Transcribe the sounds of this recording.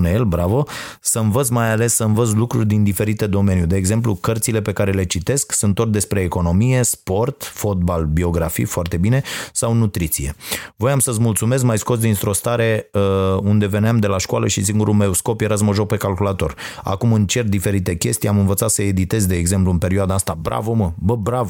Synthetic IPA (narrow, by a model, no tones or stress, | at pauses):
nejelbɾavosəɨnvət̪sʲmajale̞sːəɨnvət̪s̬lukɾurʲd̪ind̪ife̞ɾit̪e̞d̪o̞me̞njud̪e̞ːɡze̞mp̬lukərt̪sile̞pe̞kaɾe̞le̞t͡ʃit̪e̞sksɨnt̪or̚d̪e̞spɾe̞ːko̞no̞mije̞spo̞rt̪fo̞t̪̚balbio̞ɡɾafḭjfoart̪e̞bine̞sawnut̪ɾit̪sije̞̰vo̞jamsəsmult̪sume̞s̬kmajsko̞s̬d̪int̪ɾo̞st̪aɾe̞əund̪e̞ve̞neamd̪e̞laʃkwaləʃisiŋɡuɾumeusko̞pjeɾas̬məʒo̞k̚pe̞kalkulat̪o̞ra̰kumɨnt͡ʃe̞rd̪ife̞ɾit̪e̞kʲe̞st̪ijamɨnvət̪sat̪səe̞d̪it̪e̞zd̪e̞ːɡze̞mpluɨnpe̞ɾiuad̪aast̪abɾa̰voməbəbɾav